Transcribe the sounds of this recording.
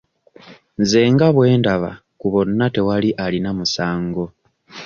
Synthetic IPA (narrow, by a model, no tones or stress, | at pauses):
nze̞ːŋɡaβwe̞ːndaβa̰ | kuβo̞nːate̞waliʔalinamusaːŋɡo̞